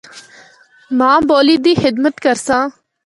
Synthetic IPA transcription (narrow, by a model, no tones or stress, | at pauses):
mãːboːliːd̪iːxɪd̪mət̪kəɾsãː